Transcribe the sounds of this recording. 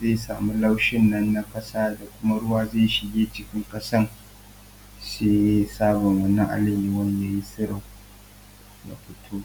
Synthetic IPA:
ze˦˨saː˨mu˦la˦wʃɪ˦nːɐ˦nːa˦kʼɐ˦saː˦da˨kʷʊ˦ma˦ɽʊ˦waː˦zeː˦˨ʃɪ˨ɡʲeː˦t͡ʃɪ˦kʲɪ˦ŋkʼɐ˦sɐ˦ŋ | seː˦jsaː˦bɔ˨ŋwɐ˨nːɐ˦ŋʔa̰˦lɪ˨miː˨wɐ˦ɲja˨ji˦sɪ˦ɽɪ˨ŋ | na̰˨ɸɪ˦tʰuː˦

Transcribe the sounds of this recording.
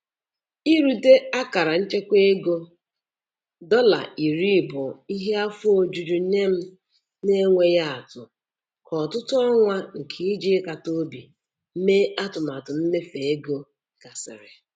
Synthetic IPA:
i˦ɾu˨de˦a˦ka˨ɾa˨n̩˦t͡ʃe˦kʷe˦e˦ɡo˦ | dɔ˦la̰˨i˨ɾi˦˨bʊ˨i˦ɦe˦a˦fʊ˦o˨d͡ʒu˨d͡ʒu˨˦ne˦m̩˦ | ne˦ŋʷe˦ja˦a˨tʊ˨ | kʰɔ˨tʊ˦tʊ˦ɔ˦ŋʷa˦ŋ̩˨kʰe˦i˦d͡ʒi˦e˦ka˨to˦bi˨ | m̩˦me˦a˦tʊ˨m˨a˨tʊ˨n̩˦ne˦fe˨e˦ɡo˦ | ɡ̥a˨sɪ̰˨ɾɪ˨

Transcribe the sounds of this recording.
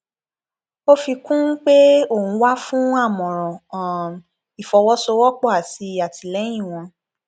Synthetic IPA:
o˦fi˧kũ˦k͡pe˦o˦˨ñ̩˨˧˦wa˦fũ˦a˦˨mɔ̃˨ɾ̃ɔ̃˨ | i˨fɔ˨˧wɔ˦so˧wɔ˦k͡pɔ˦˨a˨ti˧˦a˨ti˨lɛ˨˦j̃ĩ˦˨w̃ɔ̃˧

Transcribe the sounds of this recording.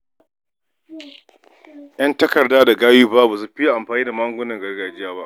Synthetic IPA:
jɐ˦ntɐ˦kɐ˨rdaː˦da˨ɡaː˦juː˦ba˦bu˨s̬u˦ɸi˦˨ʔa˨mɸaː˨niː˦da˨maː˦ŋɡʷʊ˦nɐ˨ŋɡɐ˦rɡaː˨d͡ʒɪ˦jaː˦ba˦ʔ

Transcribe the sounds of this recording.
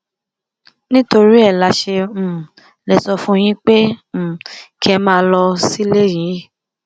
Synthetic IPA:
nĩ˦to˧ɾi˦ɛ˦˨la˨˧ʃẽ˧˦˨ | lɛ˨sɔ˧fũ˦˧j̃ĩ˦k͡pẽ˦˨ | ki˦ɛ˧mãː˦˧lɔ˧si˦le˦˨jĩ˨˦

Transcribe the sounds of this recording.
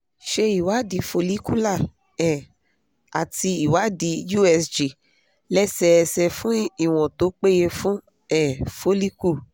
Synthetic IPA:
ʃe˧i˨wa˨˦di˧˦fo˧li˦ku˦la˦˨ | ɛ˨ | a˨ti˧i˨wa˨˦di˨˦ju˦ɛ˧sd͡ʒi˨ | lɛ˦sɛ˦˧sɛ˧fũ˦i˦˨w̃ɔ̃˨to˨˦k͡pe˦je˧fũ˦ | ɛ˦˨fo˦li˦ku˦˨

